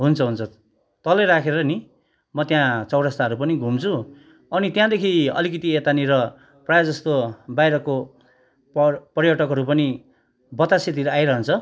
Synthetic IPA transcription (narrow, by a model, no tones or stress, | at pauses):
ɦunt͡sʰʌɦunt͡sʰʌ | t̪ʌleɾakʰeɾʌni | mʌt̪jãt͡sʌwɽʌst̪aɦʌɾupʌniɡʱumt͡sʰu | ʌnit̪jãd̪ekʰiʌ̰likit̪iet̪aniɾʌ | prajad͡zʌst̪obajɾʌko | pʌrjʌʈʌkɦʌɾupʌni | bʌt̪aset̪̬iɾajɾʌɦʌnt͡sʰʌ